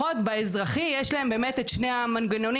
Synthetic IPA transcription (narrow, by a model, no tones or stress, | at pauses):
otbaezʁaχijɛʃlaembe̞ːmetetʃne̞amanɡeno̞n